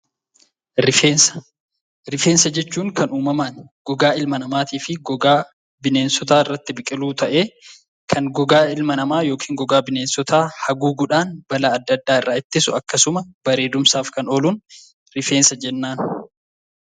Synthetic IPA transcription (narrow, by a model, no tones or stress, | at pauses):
ɾɪfeːnsɐ̥ | ɾɪfeːnsɐd͡ʒɛt͡ʃːuːŋkʰɐnuːmɐmaːnɡ̥ɔɡaːɪlmɐnɐmaːt̪iːfɪɡɔɡaː | bɪne̞ːnsɔt̪aːɪrːɐt̪ːɪbɪkʼɪluːt̪ɐʔe̞ː | kʰɐŋɡɔɡaːɪlmɐnɐmaːjo̞ːkʰiːŋɡɔɡaːbɪne̞ːnsɔt̪ʰaːhɐɡuːɡʊᶑaːnbɐlaɐd̪ːɐd̪ːaːɪrːaːɪt̪ːɪsʊɐkːɐsʊmɐb̥ɐɾe̞ːd̪ʊmsaːfkɐnoːluːn | ɾɪfe̞ːnsɐd͡ʒɛnːaːn